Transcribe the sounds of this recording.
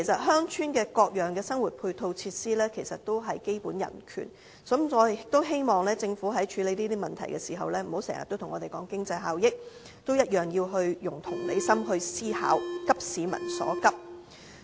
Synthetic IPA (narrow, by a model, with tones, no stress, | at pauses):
e˨˩jsɐ˨t̚ɦœː˥ŋt͡ʃʰyː˥nkɛː˧kɔː˧k̚jœː˨˩ŋkɛː˧sɐ˥ŋwuː˨˩t̚pʰuː˧jt̪ʰo˧wt͡sʰiː˧t̚siː˥lɛː˥kʰe˨˩jsɐ˨t̚t̪o˥wɦɐ˨jke˥jpuː˨˥njɐ̰˨˩nkʰy̰ː˨˩n | sɐ˨˥mɔː˨˧˥ɪ˨ɪ˨˩k̚t̪o˥wɦe˥jmɔː˨ŋlɛː˥t͡sɪ˧ŋfuː˨˥ɦɐ˨˥jt͡ʃʰyː˨˧le˨˧jniː˥t̪iː˥mɐ˨nt̪ʰɐ˨˩jkɛː˧siː˨˩ɦɐ̰˨wlɛː˥m̩˨˩ho˨˥wsɛ̰ː˨˩ŋɐ̰˨t̪ːo˥wt̪ʰʊ˨˩ŋɔː˨˧t̪e˨˩jkɔː˨˥ŋkɪ˥ŋt͡sɐ˧jɦaː˨wjɪ˥k̚ | t̪o˥wjɐ˥t̚jœː˨˩ŋjiː˧wɦɵ˧ɥjʊ˨˩ŋt̪ʰʊ˨˩ŋle˨˧jsɐ˥mɦɵ˧ɥsiː˥ha̰ː˨˥wkɐ˥p̚siː˨˧mɐ̰˨˩nsɔ̰ː˨˥kɐ˥p̚